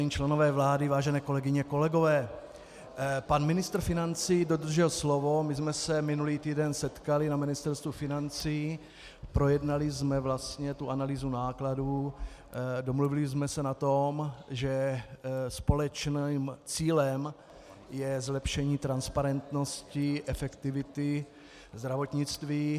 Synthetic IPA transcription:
ɲiːt͡ʃlɛnovɛːvlaːdɪvaːʒɛnɛːko̞lɛɡɪɲɛko̞lɛɡo̞vɛː | panmɪnɪst̪r̩fɪnant͡siːdo̞d̪r̩ʒɛlslo̞vo̞mɪzmɛsɛmɪnuliːt̪iːdɛnsɛt̪kalɪnamɪnɪst̪ɛɾst̪vufɪnant͡si | pɾo̞jɛdnalɪzmɛvlast̪ɲɛt̪uʔanaliːzunaːkladuː | do̞mluvɪlɪzmɛsɛnat̪o̞mʒɛ | spo̞lɛt͡ʃnimt͡siːlɛm | jɛzlɛpʃɛɲiːt̪ɾanspaɾɛnt̪no̞scɪʔɛfɛkt̪ɪvɪt̪ɪ | zd̪ɾavo̞t̪ɲɪt͡st̪viː

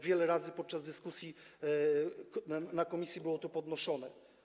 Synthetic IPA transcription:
vʲjɛlɛɾazɘpɔt̪̚t͡ʂazd̪ɘskusʲji | nakɔmʲisʲjibɘwɔt̪upɔd̪nɔʂɔnɛ

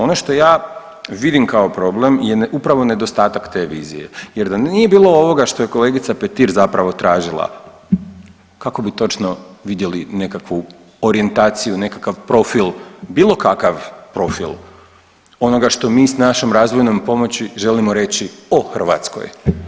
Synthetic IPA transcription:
o̞no̞ʃt̪o̞jaː | ʋid̪imkaopɾo̞ble̞mje̞ʔupɾaʋo̞ne̞d̪o̞st̪aːt̪akt̪e̞ːʋiːzḭje̞̰jeɾd̪annije̞biːlˠo̞o̞ʋo̞ɡaʃt̪o̞je̞kole̞ɡit̪sapet̪iɾzapɾaʋo̞t̪ɾaːʒilˠa̰ | kako̞bit̪o̞t͡ʃnoʋid̪je̞line̞kakʋu | oɾie̞nt̪aːt̪sijune̞kakaʋpɾo̞filˠbiːlˠo̞kakaʋpɾo̞fḭl | o̞no̞ɡaʃt̪o̞miːsnaʃemɾaːzʋo̞jnompo̞mo̞t͡ɕiʒe̞limo̞ɾe̞t͡ɕioxr̩ʋa̰t̪sko̞̰j

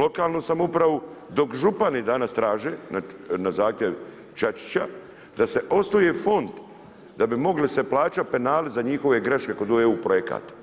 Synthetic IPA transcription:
lo̞kaːlnosamupɾaʋod̪o̞kʒupanid̪anast̪ɾaːʒeːnanazaːxt̪ʲjeʋ | t͡ʃat͡ʃi̥t͡ɕa | d̪ase̞ʔo̞snojefo̞nd̪ | d̪abimo̞ɡliseplˠaːt͡ʃape̞naːlezaɲixo̞ʋe̞ɡɾeʃkekod̪uʋeupɾojeka̰ːt̪

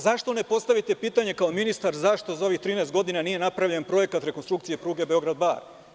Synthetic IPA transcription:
zaʃt̪o̞ne̞po̞st̪aʋit̪e̞piːt̪aɲe̞kaominist̪aɾzaʃt̪o̞zao̞ʋixt̪ɾiːneest̪ɡo̞d̪inanije̞napɾaʋʎe̞npɾo̞je̞kat̪ɾe̞konst̪ɾukt̪sije̞pɾuːɡe̞be̞o̞ɡɾad̪̚ba̰ːɾ

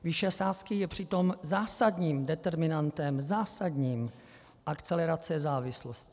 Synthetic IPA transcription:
vɪʃɛsaːskɪjɛpr̝̥ɪt̪o̞mzaːsadɲiːmdɛt̪ɛɾmɪnant̪ɛmzaːsadɲiːm | ʔakt͡sɛlɛɾat͡sɛzaːvɪsloscɪ̥

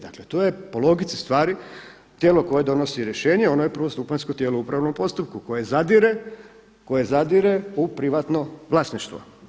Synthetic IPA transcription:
d̪a̰klet̪oje̞polˠo̞ɡit̪si̥st̪ʋaːɾi | t̪jelo̞ko̞je̞d̪o̞no̞siɾjeʃe̞ːɲeo̞noje̞pɾr̩ʋo̞st̪upanskot̪jeːlouupɾaʋno̞mpo̞st̪up̚kuko̞je̞zad̪iɾe | ko̞je̞zad̪iɾe̞upɾiʋat̪no̞ʋlˠaːsniʃt̪ʋo̰

